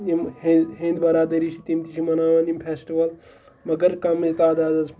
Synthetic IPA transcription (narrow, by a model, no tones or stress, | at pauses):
jimheɦẽnd̪bɐɾaːd̪ɐɾit͡ʃʰit̪imt̪iʃʰimɐnaːʋɐnimpʰesʈiʋɐl | mɐɡɐɾkɐmɐd͡ʒit̪aːd̪aːd̪ɐzʰ